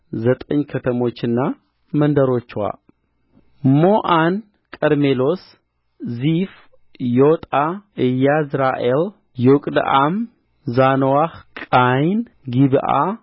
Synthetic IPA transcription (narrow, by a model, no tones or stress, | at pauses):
zət̪ʼəɲːkʰət̪ʰəmo̞t͡ʃːɨnːa | mənd̪əɾo̞t͡ʃːwa̰ | moʔan | kʼəɾmelo̞s | zif | jot̪ʼaɨjːazɾaʔel | jɛwʊkʼd̪̰ʔam | zanwahkʼajn | ɡiβʔa̰